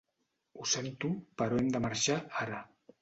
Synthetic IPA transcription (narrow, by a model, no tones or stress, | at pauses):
usent̪upaɾoemd̪amaɾʃaaɾa